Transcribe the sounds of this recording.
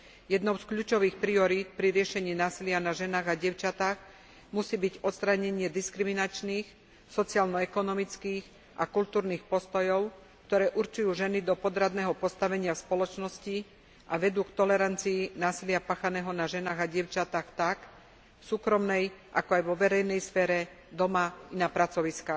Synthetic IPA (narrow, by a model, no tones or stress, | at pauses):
jɛd̪nɔʊskʎuːt͡ʃɔʋiːxpɾiɔɾiːt̪̚pɾiɾɪɛʃɛɲiːnaːsilɪanaʒɛnaːɣaɟɪɛʊt͡ʃat̪aːɣ | musiːbiɟɔt̪st̪ɾaɲɛɲɪɛd̪iskɾiminat͡ʃniːx | sɔtt͡sialnɔɛkɔnɔmit͡skiːx | ʔakult̪uːɾniːxpɔst̪ɔjɔʊ | kt̪ɔɾɛːʔuɾt͡ʃujuːʒɛnid̪ɔpɔd̪ɾad̪nɛːɦɔpɔst̪aʋɛɲɪafspɔlɔt͡ʃnɔsci | ʔaʋɛd̪uːkt̪ɔlɛɾant͡siːnaːsilɪapaːxanɛːɦɔnaʒɛnaːɣaɟɪɛʊt͡ʃat̪axt̪ak | fsuːkɾɔmnɛjʔakɔajʋɔʋɛɾɛjnɛjsfɛːɾɛ | d̪ɔmainapɾat͡sɔʋiskax